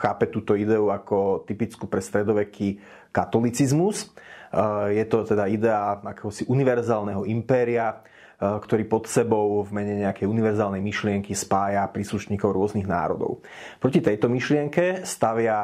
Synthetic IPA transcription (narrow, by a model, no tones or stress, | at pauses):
xaːpɛt̪uːt̪ɔid̪ɛuakɔt̪ipit͡skupɾɛst̪ɾɛd̪ɔʋɛki | kat̪ɔlit͡sizmus | jɛt̪ɔt̪ɛd̪aid̪ɛaakɛɦɔsiʔuniʋɛɾzaːlnɛɦɔimpɛːɾia | kt̪ɔɾiːpɔt̪sɛbɔʊvmɛɲɛɲɛakɛjuniʋɛɾzaːlnɛjmiʃlɪɛŋkispaːjapɾiːsluʃɲiːkɔʊɾʊɔzniɣna̰ːɾɔ̰d̪ɔ̰ʊ | pɾɔcit̪ɛjt̪ɔmiʃlɪɛŋkɛst̪aʋɪa